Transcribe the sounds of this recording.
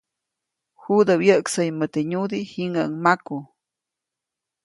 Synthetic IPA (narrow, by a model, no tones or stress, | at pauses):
hud̪əwjəʔksəjmət̪eɲud̪ihiŋɡaŋmaku